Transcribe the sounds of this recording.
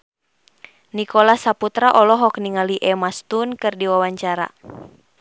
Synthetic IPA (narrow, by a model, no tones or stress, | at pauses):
nikɔlasaput̪ɾaʔɔlɔɦɔk̚niŋaliʔɛmast̪unkɨrdiwawaɲt͡ʃaɾa̰